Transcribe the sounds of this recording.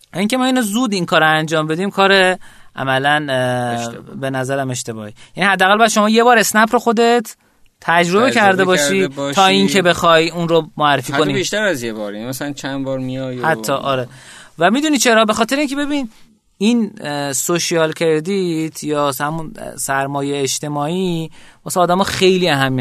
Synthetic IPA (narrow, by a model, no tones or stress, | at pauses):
iŋcʰe̞mɒːinozuːd̪iŋkʰɒːɾoænd͡ʒɒːmbe̞d̪imkʰɒːɾeʔæ̰mælæn | be̞næzæɾæme̞ʃt̪e̞bɒ̰ːhijænihæd̪ːæːɣælbjæd̪ʃo̞mɒːje̞bɒːɾe̞snæpʰɾoxo̞d̪e̞t̪ʰː | æd͡ʒɾo̞be̞cʰæɾd̪ebɒːʃiːɒːiŋkʰe̞be̞xɒjunɾomoærːefiːkoniiʃt̪æɾæzjebɒːɾimæsalant͡ʃʰænbɒːɾmijɒjhæt̪ʰːɒːʔɒːɾevæmid̪unit͡ʃʰeɾɒːbexɒːt̪e̞ɾeiːŋcʰe̞be̞biːn | insoʃiɒlcʰeɾed̪it̪ʰjɒːhæmunsæɾmɒːjeːʃt̪e̞mɒːimɒːsæɒːd̪æmɒːxe̞jliæɦæmːi